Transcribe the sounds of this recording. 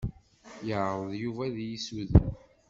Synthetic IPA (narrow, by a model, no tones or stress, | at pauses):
jəʕɾˤəðˤjuvæðjisuð